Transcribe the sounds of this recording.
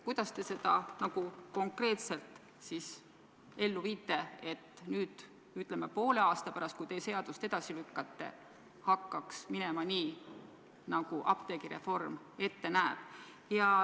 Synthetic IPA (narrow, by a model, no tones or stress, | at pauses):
kujd̪̥ɑst̪e̞se̞d̪̥ɑnɑɡ̥uko̞ŋkre̞ːt̪se̞lt̪ˑ | sis | e̞lːuviːt̪ːˑe̞e̞t̪ːnyːd̪̥ | yt̪ˑlemːepo̞ːle̞ɑːst̪ɑpæɾɑst̪kujt̪e̞se̞ɑd̪̥ust̪e̞d̪̥ɑsilykːɑt̪ːe̞̰ | hɑkːɑksminemɑniː | nɑɡ̥uʔɑ̰p̚t̪eɡiɾe̞̰fo̞rm | e̞t̪ːenæeb̥ | jɑ